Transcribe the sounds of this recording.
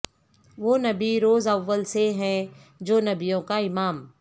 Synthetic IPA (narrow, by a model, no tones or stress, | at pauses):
ʋoːnɐbiɾoːzɐʋːəlseɦɛ̃ | d͡ʒoːnɐbijõkaɪmaːm